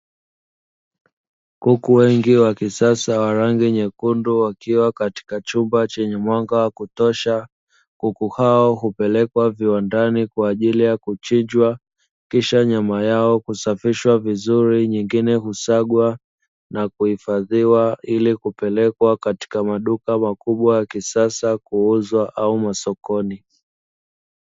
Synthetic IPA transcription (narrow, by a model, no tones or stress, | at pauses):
kukuwɛŋɡiwakisasawaɾaŋɡiɲɛkunduwakiwakati̥kat͡ʃumbat͡ʃɛɲɛmwaŋɡawakutɔʃa | kukuhaɔɦupɛlɛkwaviwandanikwaːʄilijakut͡ʃiɲd͡ʒwa | kiʃaɲamajaɔkusafiʃwavizuɾiɲiŋɡinɛhusaɠwa | nakuhifaðiwailikupɛlɛkwakati̥kamaɗukamakuɓwajakisasakuuzwaʔaumasɔkɔni